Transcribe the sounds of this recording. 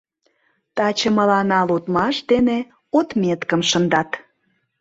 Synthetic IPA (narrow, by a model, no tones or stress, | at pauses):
t̪ɑt͡ɕə̆mə̆lɑnɑlut̪mɑʃd̪ene | ot̪mʲet̪kəmʃə̆nd̪ɑt̪